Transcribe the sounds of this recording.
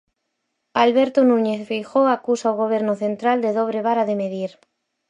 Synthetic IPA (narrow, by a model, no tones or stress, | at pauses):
alβɛɾt̪onũɲeθfejxoakusaoɣ̞oβ̞ɛɾnoθent̪ɾald̪eðoβ̞ɾeβ̞aɾaðemeðiɾ